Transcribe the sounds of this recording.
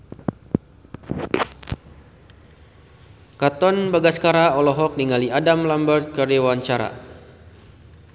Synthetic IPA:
kat̪ɔnbaɡaskaɾaɔlɔɦɔk̚niŋaliadamlambərt̪̚kəriwaɲt͡ʃaɾa̰

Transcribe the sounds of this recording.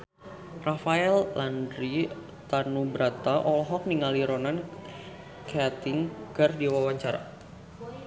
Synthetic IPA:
rafaɛlːandɾi | t̪anubɾat̪aʔɔlɔɦɔk̚niŋaliɾɔnan | kaat̪ɪŋkardiwawaɲt͡ʃaɾa̰

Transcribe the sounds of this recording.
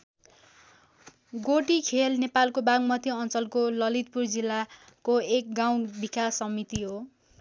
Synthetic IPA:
ɡoʈikʰelnepalkobaŋmʌt̪jiʌnt͡sʌlkolʌlit̪̚purd͡zilːa | koek̚ɡaw̃bikasːʌmit̪iɦo

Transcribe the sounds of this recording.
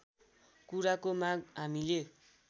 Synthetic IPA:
kuɾakomaɡ̚ɦamile

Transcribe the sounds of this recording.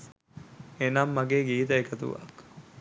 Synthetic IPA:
enamːɐɡeːɡiːt̪ɐekɐt̪ṵʋa̰k

